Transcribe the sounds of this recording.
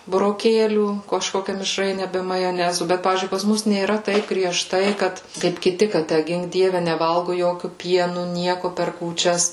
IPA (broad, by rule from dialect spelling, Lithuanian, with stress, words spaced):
bʊroːˈkʲeːlʲuː kɐʃˈkoːkʲɛ mʲɪʃˈrɐɪnʲɛ ˈbʲɛ mɐjoːˈnʲæːzʊ ˈbʲɛt ˈpɑːʋʲiːzʲd͡ʒʲʊɪ pɐs ˈmʊs nʲeːˈrɐ ˈtɐɪp ɡrʲiɛˈʃtɐɪ ˈkɐt kɐɪp kʲɪˈtʲɪ kɐ ˈtʲæ ˈɡʲɪŋk ˈdʲiɛʋʲɛ nʲɛˈʋɐlˠɡʊ ˈjoːkʲʊ ˈpʲiɛnʊ ˈnʲiɛkʊ pʲɛr kuːt͡ʃʲɛs